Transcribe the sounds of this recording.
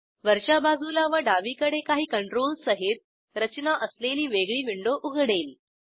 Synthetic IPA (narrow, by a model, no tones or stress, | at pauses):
ʋəɾɕabad͡zulaʋəɖaʋiːkəɽekaɦiːkəɳʈɾolsəɦit̪̚ | ɾət͡ɕnaʔəsleliːʋeɡɭiːʋiɳɖoʔuɡʱɽeːl